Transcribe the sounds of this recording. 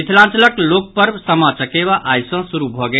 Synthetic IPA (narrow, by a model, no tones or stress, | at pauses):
it̪ʰlãnt͡ʃələklok̚pəɾbsəmat͡ʃəkeβaʔajsə̃suɾubʱɔɡe